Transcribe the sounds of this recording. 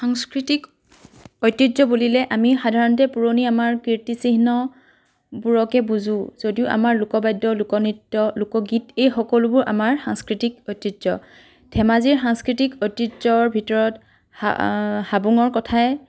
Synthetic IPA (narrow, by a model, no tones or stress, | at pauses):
xaŋskɹitik | ojtːɹitzɔbulilɛʔamixadʱaɹɔntɛpuɹoniamaɹkiɹtisiɦnɔ | buɹɔkɛbuzũzodiʊʔa̰maɹlʊkɔbajdːɔlʊkɔnitːɔlʊkɔɡitejxɔkɔlʊbʊɹʔa̰maɹxaŋskɹitikɔjtːɹitzɔ̰ | tʰɛmaziɹxaŋskɹitikɔjtɹitzɔɹbʱitɔɹɔt | habuŋɔɹkɔtʰaɛ